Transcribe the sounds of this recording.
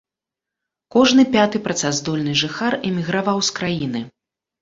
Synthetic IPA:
kɔʐnɨpʲat̪ɨpɾɐt̪sazd̪ɔlʲnɨʐɨxarɛmʲiɣɾavawskɾajinɨ

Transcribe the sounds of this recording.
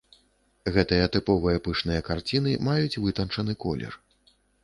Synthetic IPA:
ɣɛt̪ɨjɐt̪ɨpɔvɨjɐpɨʂnɨjɐkart͡sʲinɨmajut͡sʲvɨt̪ɐnt͡ʂɐnɨkɔlʲɛ̰r

